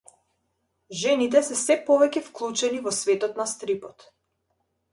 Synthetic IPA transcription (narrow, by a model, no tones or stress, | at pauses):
ʒɛnit̪ɛsɛsɛpɔvɛcɛfklˠut͡ʃɛnivɔsvɛt̪ɔt̪nast̪ɾipɔt̪